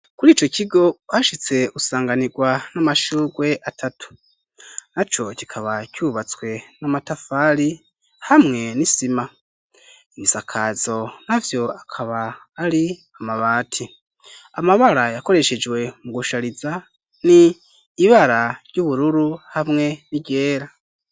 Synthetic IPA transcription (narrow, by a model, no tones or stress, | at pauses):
kuɾiːt͡ʃo̞ciɡo̞haʃit͡se̞usaːŋɡaniɡwanamaʃuːɡwe̞ʔatʰatʰu̥ | nat͡ʃo̞cikʰaβacuːβat͡swe̞namatafaɾi | hamŋe̞nisima | imisakʰazo̞navjo̞akʰaβaː | ɾi | amaβaːtʰi | amaβaɾajako̞ɾe̞ʃed͡ʒwe̞muɡuʃaɾiza | niː | βaɾaɾɟuβuɾuɾuhamŋe̞niɟe̞ːɾa